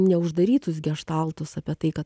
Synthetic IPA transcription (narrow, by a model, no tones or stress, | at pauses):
nʲɛʊʒd̪ɐɾʲiːt̪ʊs̬ɡʲɛʃt̪ɑlˠt̪ʊsɐpʲɛt̪ɐɪkɐt̪